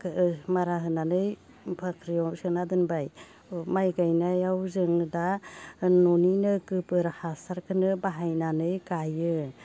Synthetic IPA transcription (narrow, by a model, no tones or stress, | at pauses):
kmaɾaɦɯnanɯj | bʰakʰɾijɔsɯnadɯnbaj | majɡajnajawzɯŋda | noninɯkɯpɯɾahasaɾkʰɯnɯbaɦajnanɯjkajɯ